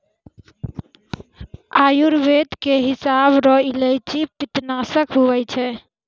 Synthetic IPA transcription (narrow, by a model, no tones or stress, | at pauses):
ajuɾbed̪keɦisabɾɔilejt͡ʃipit̪nasəkɦuʋɛt͡ʃʰɛ